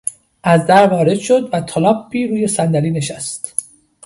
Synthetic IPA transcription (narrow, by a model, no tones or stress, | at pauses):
ʔæzd̪æɾvɒːɾe̞d̪̥ʃo̞d̪væt̪ʰɒlɒːbːiːɾuːje̞sænd̪æliːne̞ʃæst̪